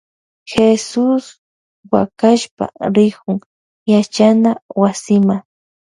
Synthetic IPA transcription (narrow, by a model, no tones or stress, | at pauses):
xesʊs | wa̰kaʃpa̰ɾɪkʊŋ | jat͡ʃanawasɪmaŋ